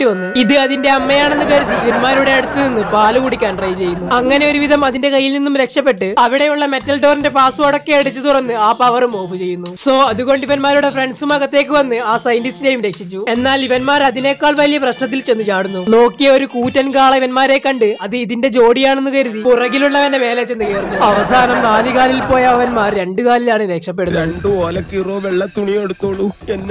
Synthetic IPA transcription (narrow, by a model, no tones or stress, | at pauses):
ɨʋɐnːɨiðɨɐðinde̞ɐmːɐjaːɳe̞nːɨkɐɾuðiːʋɐnmaːɾuɽe̞ɐɽut̪ːɨninːɨpaːlukuɽikʲːaːnrɐjt͡ɕe̞jːunːuɐŋːɐne̞o̞ɾuʋiðɐmɐðinde̞kɐjːilninːumɾe̞kʂɐpːe̞ʈːɨɐʋiɽe̞juɭːɐme̞tːɐlɖo̞ːrinde̞paːsuoɽokːe̞ːɽut͡ɕːɨt̪urɐnːɨaːpɐʋɐrumoːbut͡ɕe̞jːunːuso̞ːɐðuɣo̞ːɳɖiʋɐnmaːɾuɽe̞fre̞ɳɖsumɐɣɐt̪ːe̞ːk̬ːɨʋɐnːɨaːsɐjndisɾejumɾe̞kʂit͡ɕːue̞nːaːliʋɐnmaːɾɐðine̞ːkːaːɭʋɐlijɐprɐɕnɐt̪̬ːilt͡ɕe̞nːɨt͡ɕaːɽunːuno̞ːkːijɐo̞ɾukuːtːɐnkaːɭɐiʋɐnmaːɾe̞kːɐɳɖɨɐðɨiðinde̞d͡ʑo̞ːɽijaːɳe̞nːukɐɾuðipurɐɣiluɭːɐʋɐnːeme̞ːlet͡ɕːe̞nːɨkeːrunːuɐʋɐsaːnɐmnaːlikaːlilpo̞ːjɐʋɐnmaːrɾe̞ɳɖɨkaːlilaːɳɨɾe̞ːkʂɐpːeɽunːɾɐeɳɖɨoːlɐkiroːʋeɭːɐt̪uɳijeɽut̪ːoːɭːuenː